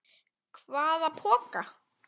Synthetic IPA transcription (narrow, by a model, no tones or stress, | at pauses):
kʰvaːðapʰɔːka